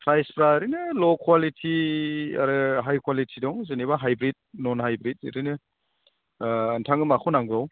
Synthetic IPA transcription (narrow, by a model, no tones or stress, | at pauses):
pʰɾajspɾaɾɯnɯlɔkʰwalitʰia̰ɾɯɦajkʰwalitʰidɔŋzeniβaɦajbɾit̚nɔnɦajbɾit̚ɾinɯ | ntʰaŋɯmakʰɔnaŋɡɾɔw